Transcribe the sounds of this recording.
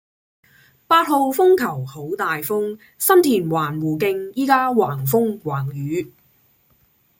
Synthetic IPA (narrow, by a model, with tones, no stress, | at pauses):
paː˧t̚ho˨˧wfʊ˥ŋkʰɐ˨˩who˨˥wt̪aː˨jfʊ˥ŋ | sɐ˥mt̪ʰiː˨˩nwaː˨˩nwuː˨˩kɪ˧ŋjiː˥kaː˥waː˨˩ŋfʊ˥ŋwaː˨˩ŋjyː˨˧